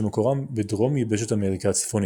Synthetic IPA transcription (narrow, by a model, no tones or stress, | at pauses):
mekoʁambedʁo̞mjibeʃ̬etameʁikat͡si̥fon